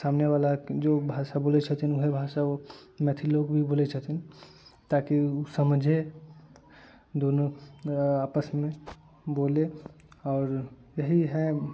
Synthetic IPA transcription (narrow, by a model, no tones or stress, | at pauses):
saːmneʋaːlad͡ʒoːbʱaːʃaboːlet͡ʃʰət̪ʰinʊɦebʱaːʃaomɛt̪ʰiloːkbʱiboːlet͡ʃʰət̪ʰin | t̪aːkiusəmd͡ʒʱe | d̪oːno | aːpəsmẽ | boːle | ɔːɾ | jəɦiɦɛ